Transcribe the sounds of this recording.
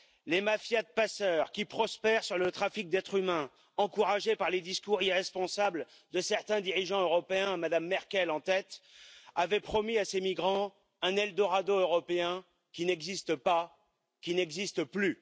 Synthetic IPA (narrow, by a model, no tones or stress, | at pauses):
lemafjad̪̚pasœʁkʲipχɔspɛʁsyʁlət̪χafik̚d̪ɛt̪χymɛ̃ | ɑ̃kuʁaʒepaʁled̪iskuʁiʁɛspɔ̃sabl | d̪əsɛʁt̪ɛ̃d̪iʁiʒɑ̃øʁɔpeɛ̃mad̪amːɛʁkʲɛlɑ̃t̪ɛt̪avɛpχɔmiasemiɡʁɑ̃ | ɛ̃nɛld̪ɔʁad̪oøʁɔpeɛ̃ | kʲinɛɡzist̪əpa | kʲinɛɡzist̪əply